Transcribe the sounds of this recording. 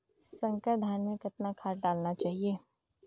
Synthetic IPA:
sɐ̃ŋkəʈd̪ʱaːnmekɐt̪nakʰaːʈɖaːlnat͡ʃaːɦieː

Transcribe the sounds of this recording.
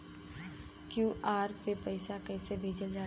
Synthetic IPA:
kjuːʔaːɾpepɐɪsakɛːsebʱeːd͡ʒəld͡ʒaː

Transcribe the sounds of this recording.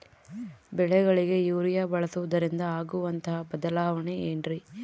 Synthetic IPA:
bɛɭɛɡɐɭiɡe̞juːɾijaːbɐɭɐsuʋɐd̪ɐɾind̪ɐaːɡuʋɐnt̪ɐɦɐbɐd̪ɐlaːʋɐɳeeːnɾi

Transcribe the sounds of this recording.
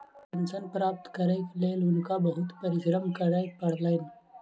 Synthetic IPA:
pɐnsənpɾaːp̚t̪kəɾekleːlʊnkabɐɦʊt̪pɐɾɪɡɾəmkəɾaepɐɽ̤len

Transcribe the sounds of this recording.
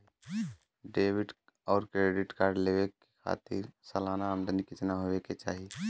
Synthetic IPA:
ɖeːʋɪɖ | ɔːɾkɾeːɖɪʈkaːɾɖleʋekekʰa̰ːt̪ɪ̰ɾsəlaːnamd̪ənikit͡ʃnaɦoeket͡ʃaːɦi

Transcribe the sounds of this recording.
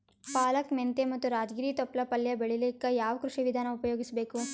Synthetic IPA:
paːlɐkment̪emɐt̪ːuɾaːd͡ʒɡiɾiːt̪ɔpːlɐpɐljɐbeɭilikːɐjaːʋɐkɾuʂiʋid̪ʱaːnɐupɐjoːɡisɐbeːku

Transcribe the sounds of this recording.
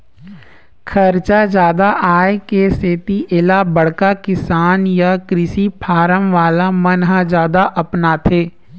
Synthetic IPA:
kʰəɾt͡ʃad͡ʒjaːd̪aʔaːjekeseːt̪iʔɪlabəɽ̤kakɪsaːnjakɾɪsipʰaːɾəmʋaːlamənɦad͡ʒjaːd̪aʔɐpnat̪ʰeː

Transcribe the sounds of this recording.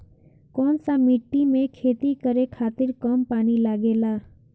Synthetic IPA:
kɔːnsamiʈːimẽkʰeːt̪ikəɾekʰaːt̪ɪɾkəmpaːnilaːɡeːlaː

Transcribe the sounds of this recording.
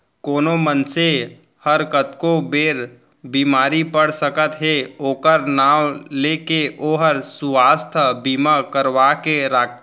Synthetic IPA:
koːnomənse | həɾkət̪kobeːɾ | biːmaːɾipəɽsəkət̪ɦeoːkəɾnaːwleːkeoːɦəɾsuaːst̪ʰəbiːmakəɾʋakeɾaːk̚ʰt̪

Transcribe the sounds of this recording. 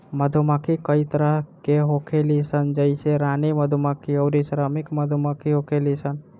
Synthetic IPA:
məd̪ʱumakikəit̪əɾəɦkeɦoːkʰelisənd͡ʒəɪseɾaːniməd̪ʱumakʰiəɾisəɾəmɪkməd̪ʱumakʰiɦoːkʰelisən

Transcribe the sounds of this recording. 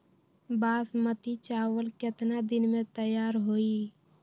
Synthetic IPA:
basmət̪it͡ʃawəlket̪nad̪inmet̪əjaɾɦoi

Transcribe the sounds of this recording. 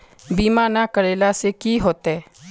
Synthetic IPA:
biːmaːnakəɾeːlasekiːɦoːt̪ɦɛː

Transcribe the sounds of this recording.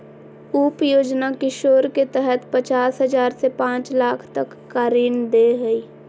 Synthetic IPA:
uːpjoːd͡ʒnakɪʃoːɾket̪ɛɦɛt̪pət͡ʃaːsɦəzaːɾsepãːt͡ʃlaːkʰt̪əkːaːɾiːnd̪eɦəiː

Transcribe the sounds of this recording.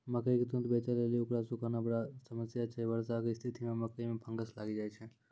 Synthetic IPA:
məkəiket̪unt̪bet͡ʃəleliʊkɾasʊkanabəɽasəməsjat͡ʃʰɛʋəɾsakest̪ʰit̪imẽməkəimẽpʰə̃ŋɡəsla̰ːɡid͡ʒaːjt͡ʃʰɛ

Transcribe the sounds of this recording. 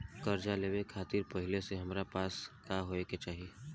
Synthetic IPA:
kɐɾd͡ʒaleːʋekʰaːt̪iɾpɐɦɪleseɦɐmɾapaːskaɦoeket͡ʃaːɦieː

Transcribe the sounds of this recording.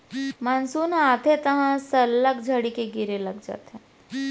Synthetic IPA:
mənsuːnaːt̪ʰet̪ɐɦãsɐlːəkd͡ʒʱəɽikeɡiɾelɐɡd͡ʒa̰ːt̪ɦɛ̃ː

